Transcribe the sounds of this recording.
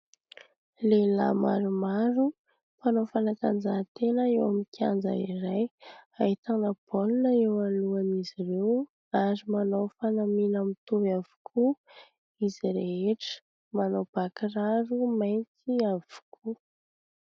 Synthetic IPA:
lela̰ma̰ɾumaɾu | panofanəkand͡zat̪enəewamikʰa̰nd͡za̰iɾajait̪anəb̥olunəewaluamizirew | aɾimanofanaminamit̪uvav̥u̥kʰu | iziɾeeʈ͡ʂə̥ | manob̥akiraɾumajnt͡siav̥u̥kʰu

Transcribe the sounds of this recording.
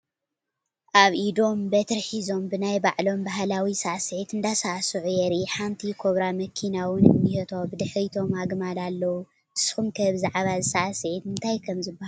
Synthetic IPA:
ʔaβʔid̪o̞mbɐt̪ʰɾħizo̞mbɨnajbaʕlo̞mbaɦlawisaʔaset̪ɨnd̪asaʔsuʕjɛɾiħamt̪ʰikʰoβɾamɐkʰinawʊnɨ̰mːihet̪ʰobɨd̪ɨħɾit̪ʰo̞maɡmalalːɐwu | t̪ʰɨ̥sxumkʰɐβɨzaʕβazɨsaset̪ɨnt̪ʰajkʰɐmzɨbːahal

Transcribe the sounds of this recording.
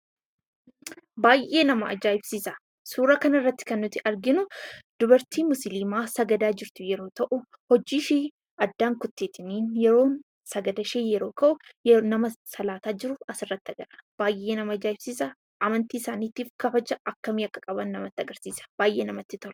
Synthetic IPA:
baːjʔe̞ːnɐmɐɐd͡ʒaːɪbsiːsɐ | suːɾɐkɐnɐɪrːɐt̪ːɪ̥kɐnːʊt̪ːɪʔɐɾɡɪnʊd̪ʊbɐɾt̪ʰiːmʊsɪliːmaːsɐɡɐd̪aːd͡ʒɪɾt̪ʊjɛɾo̞ːt̪ɐʔʊ | hɔd͡ʒiːʃeː | ɐd̪ːaːŋkʊt̪ːeːt̪ɪniːnjɛɾo̞ːn | sɐɡɐd̪ɐʃeːjɛɾo̞ːkɐʔʊnɐmɐsɐlaːt̪aːd͡ʒɪɾʊɐsɪrːɐt̪ːɪɐɡɐɾɐ̥b̥aːjʔːe̞ːnɐmɐɐd͡ʒaːɪbsiːsɐ | ʔɐmɐnt̪iːɪsaːniːt̪iːfkɐfɐd͡ʒɐʔɐkːɐmiːɐkːɐ̥kʼɐbɐnːɐmɐt̪ːɐɡɐɾsiːsɐ̥b̥aːjʔeːnɐmɐt̪ːɪt̪ɔl

